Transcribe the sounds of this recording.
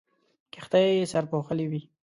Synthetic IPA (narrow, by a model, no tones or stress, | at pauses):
kɪxt̪ajesaɾpoxəliwi